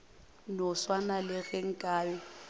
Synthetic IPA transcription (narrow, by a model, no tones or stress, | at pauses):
nɔswanalɪɣɛŋ̩kʼaːwɛ